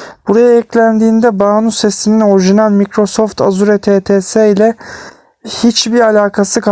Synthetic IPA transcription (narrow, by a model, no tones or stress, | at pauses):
b̥uɾajaɛclʲænd̪iːnd̪ɛbaːnusɛsinino̞ɾiʒinalʲmikɾo̞so̞ft̪ʰa̰zuɾɛt̪ʰeːt̪ʰeːseilʲɛ | hit͡ʃbiɾalʲaːkʰasɯk